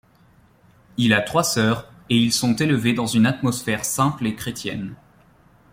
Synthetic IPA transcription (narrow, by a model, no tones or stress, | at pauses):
ilat̪χwasœːʁ | eilsɔ̃t̪eləved̪ɑ̃zynat̪mɔsfɛʁsɛ̃plekχet̪jɛ̰n